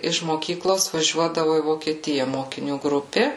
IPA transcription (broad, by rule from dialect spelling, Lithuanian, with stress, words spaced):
ɪʃ moːˈkʲiːklˠoːs ʋɐˈʒʲuɔdɐʋʊ iː ʋoːkʲiɛˈtʲɪjɛ moːkʲɪˈnʲuː ˈɡrʊpʲeː